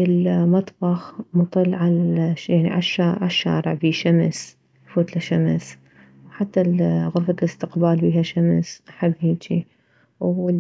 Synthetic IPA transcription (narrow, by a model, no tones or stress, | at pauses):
ʔɪlmɑt̪ˤbɑxmʊt̪ˤɨlːʕaljaʕnḭʕa̰ʃːaːʕa̰ʃːa̰ːɾɪ̰ʕbiːʃams | fuːt̪laʃams | ħat̪ːaɣʊɾfalɪst̪ɪqbaːlbiːhaʃamsʔaħɪbːhiːt͡ʃi | w